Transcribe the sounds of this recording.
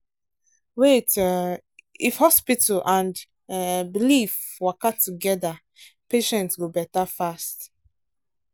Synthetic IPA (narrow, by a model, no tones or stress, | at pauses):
wet | ifhɔspitalʔãnd | bilif | wakatːuɡɛða | peʃɛ̃ntsɡobɛtafast